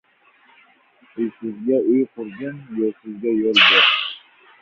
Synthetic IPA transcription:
ʊjsɪzɡʲaʊjqʰʊɾɡʲanjɔsɪzɡʲajɔlˠbeɾ

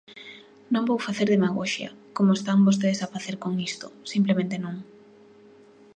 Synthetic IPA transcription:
nõŋbowfaθeɾðemaɣ̞oʃja̰komoest̪aŋbos̬t̪eðesafaθeɾkoŋist̪osimplemẽnt̪enõŋ

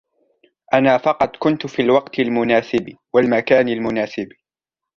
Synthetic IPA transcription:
ʔanaːfɑqɑt̪ˤkʊnt̪fiːlwɑqt̪ɪlmʊnaːsɪb | walmakaːnalmʊnaːsɪb

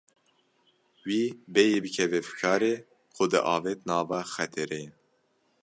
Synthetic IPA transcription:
wiːbejeːbɨkʰɛvɛfɨ̥kʰɑːɾeː | kʰʊd̪ɨ̰ʔɑːveːt̪nɑːvɑxɛt̪ʰɛɾeː

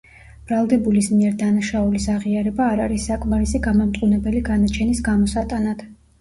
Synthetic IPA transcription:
b̥ɾalˠd̪ɛbulismiɛɾd̪anaʃaulisaʁiaɾɛbaːɾaɾisːakʼmaɾisiɡamamt̪ʼqʼunɛbɛliɡanat͡ʃʰɛnisɡamɔsat̪ʼanad̪̥

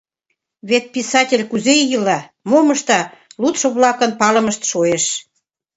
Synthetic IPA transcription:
βet̪̚pisɑt̪ʲelʲkuzejilɑ | moməʃt̪ɑlut̪ʃoβlɑkənpɑlə̆məʃt̪ʃoeʃ

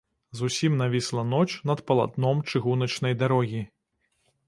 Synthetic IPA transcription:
zusʲimnavʲislˠɐnɔt͡ʂnɐt̪pɐlˠa̰d̪nɔmt͡ʂɨɣunɐt͡ʂnɐjd̪aɾɔɣʲi

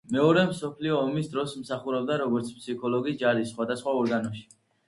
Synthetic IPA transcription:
mɛɔɾɛmsɔpʰliɔːmisd̪ɾɔsmsaχuɾɛb̚d̪aɾɔɡɔɾt̪sʰpʰsikʰɔlˠɔɡid͡ʒaɾisːχwad̪asχwaɔɾɡanɔʃi̥

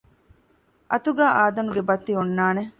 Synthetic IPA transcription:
ʔɐt̪uɡaːʔaːd̪ɐnuɡebɐt̪ːiunːaːne

